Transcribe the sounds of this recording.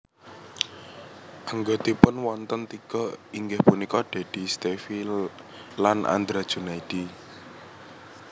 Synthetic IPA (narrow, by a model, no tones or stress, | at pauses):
ʔaŋɡod̪̥i̤pʊnwɔnt̪ənt̪ikɔiŋɡɪhpunikɔɖ̥e̤d̪̥i̤st̪efi | lanʔa̰nd̪ɾad̥ʒ̥unaiɖ̥i